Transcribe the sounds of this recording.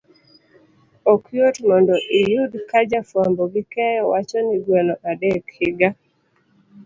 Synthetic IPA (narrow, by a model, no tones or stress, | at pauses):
ɔkjotmɔndɔʔijudkad͡ʒafambɔɡɪkɛjɔwat͡ʃɔnɪɡwɛlɔʔadɛkhɪɡa